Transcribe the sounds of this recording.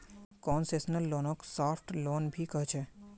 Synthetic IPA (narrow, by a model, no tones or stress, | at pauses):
kɔːnseːsnəlːoːnõksaːpʰʈloːnbʱikɐɦt͡ʃʰɛː